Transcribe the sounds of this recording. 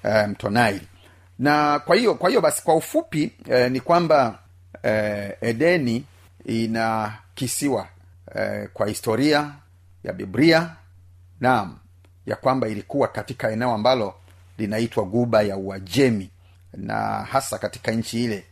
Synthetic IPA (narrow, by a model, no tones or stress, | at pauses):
ɛm̩tɔnaili | nakwahijɔkwahijɔɓasi̥kwaufupinikwamba | ɛɗɛni | inakisiwa | ɛ̰kwahistɔɾia | ja̰ɓḭbɾia | nam̩ | ja̰kwambailikuwakatikaɛnɛɔambalɔ | linaitwaɡuɓajauad͡ʒɛmi | na̰hasakati̥kaɲ̩t͡ʃiilɛ